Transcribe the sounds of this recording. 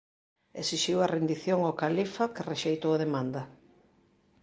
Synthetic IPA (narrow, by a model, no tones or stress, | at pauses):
esiʃiwɐrend̪iθjoŋakalifɐkereʃejt̪oaðemãnd̪ɐ